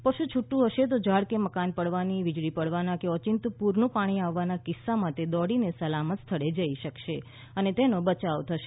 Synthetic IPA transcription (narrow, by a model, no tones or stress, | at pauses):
pəʃũt͡ʃʰuʈːũɦəʃet̪̬od͡ʒaɽkeməkanpəɽʋaniʋɪd͡ʒɽipəɽʋanakeɔt͡ʃɪnt̪puɾnũpaɽ̃iaʋːanakɪsːamãt̪ed̪ɔɽinesəlamət̪st̪ʰəɽed͡ʒəiʃəkʃe | ənet̪enõbət͡ʃaʋt̪ʰəʃe